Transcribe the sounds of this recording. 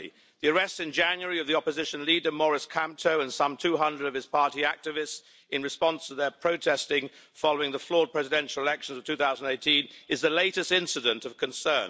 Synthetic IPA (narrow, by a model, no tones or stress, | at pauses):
ðiəɹɛstɨ̃nd͡ʒæ̃njəɹiʌvðiɒpəzɪʃɨ̃nlidə˞mɔɹɨskʰæ̃mp̚tʰoʊə̃nsʌ̃mtʰʉɦʌ̃ndɹəɾʌv̥ɨz̥pʰɑɹɾiæk̚tɨvɪsts | ɨ̃nɹɨspɑ̃nstʰəðəpʰɹ̥oʊtʰɛstɪ̃ŋ | fɑloʊɪ̃ŋðəflɔɹd̚pʰɹ̥ɛzɪdɛ̃nʃl̩ˠɪlɛkʃə̃n̩zəv̥tʰʉθaʊzn̩deɪtĩnɨzðəleɪɾɨstɪ̃nsɨɾə̃ntʌv̥kʰɨ̃nsɜ̃˞n